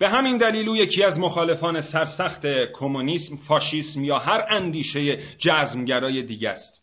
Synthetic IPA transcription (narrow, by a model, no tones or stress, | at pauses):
b̥e̞ɦæmind̪æliːluːje̞cʰiːæzmoxɒːle̞fɒːne̞sæɾsæxt̪ʰekʰomuniːsmfɒːʃiːsmjɒːɦæɾænd̪iːʃe̞je̞d͡ʒæːzmɟæɾɒːje̞d̪iːɟæst̪